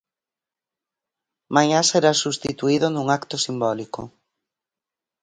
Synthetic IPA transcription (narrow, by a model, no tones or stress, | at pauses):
maɲãseɾasust̪it̪uiðʊnũŋakt̪ʊsimbɔlikʊ